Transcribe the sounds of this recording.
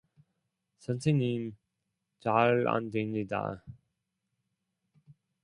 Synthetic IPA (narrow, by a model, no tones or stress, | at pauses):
sʰʌnsʰeɲim | t͡ɕaɭa̰ndemɲida̰